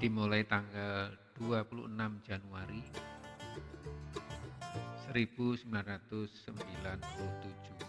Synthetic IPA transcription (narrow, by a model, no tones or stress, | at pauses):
d̪̥imolait̪aŋɡald̥uapulṵənamd͡ʒanuaɾi | səɾib̥usmbilanrat̪ʊsːəmbilanpuluht̪u̥d͡ʒ̥uh